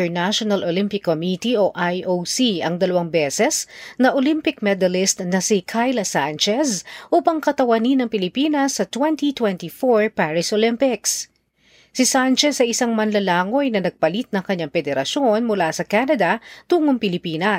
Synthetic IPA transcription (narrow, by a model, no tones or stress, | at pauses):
ɛɹnaʃonɐlʔolɪmpɪkːomit̪ioʔajʔosiɐŋd̪ɐlɐwaŋbɛsɛsnɐʔolimpɪk̚mɛd̪ɐlɪst̪nɐsikʰajlɐsant͡ʃɛsʔuːpɐŋkɐt̪ɐwɐninɐŋpɪlɪpinɐsːɐt̪wɛnt̪it̪wɛnt̪ifoɹpaɹɪsolɪmpɪks | sɪsant͡ʃɛsɐʔɪsaŋmɐnlɐlaːŋo̞jnɐnɐɡ̚pɐlit̪̚nɐŋkɐɲaŋfɛd̪ɛɾɐʃo̞nmʊlasɐkanɐd̪ɐt̪uːŋoŋpɪlɪpiːnɐ